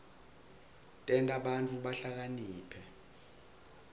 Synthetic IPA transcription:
tʼɛntʼaɓant͡fʰʼuɓaɬak̬aniːpʰɛ

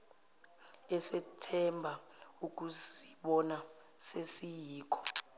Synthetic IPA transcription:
ɛsɛtʰɛmbʱa | uk̬ʼusi̥ɓɔna | sesijiːk̬ʰʼɔ̥

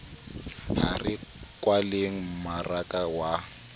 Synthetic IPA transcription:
harɪkʼwaleŋ̩marakʼawa

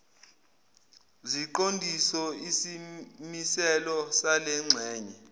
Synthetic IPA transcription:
ziǃondʱisɔisimisɛlɔsalɛŋ͡ǀʱɛːɲɛ

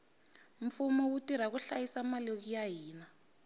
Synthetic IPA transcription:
ɱfumɔwutiɾ̤ak̬uɬajisamalok̬ijaɦiːna

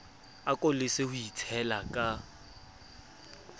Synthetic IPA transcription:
akʼolɪsɪhʊitʰɛlakʼa

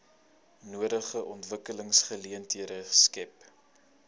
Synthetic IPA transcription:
nuəɾəχəʔɔntvəkələŋsχəliəntiəɾəskɛp̚

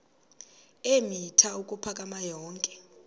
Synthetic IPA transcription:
emitʰaukʼupʰakʼamajɔːŋkʼɛ̥

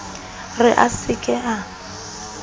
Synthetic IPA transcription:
rɪʔasɪkʼɛʔa

